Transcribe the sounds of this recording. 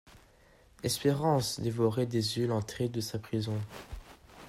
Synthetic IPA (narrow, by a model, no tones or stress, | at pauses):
ɛspeʁɑ̃sd̪evɔʁɛd̪ezjølɑ̃t̪χed̪əsapχizɔ̃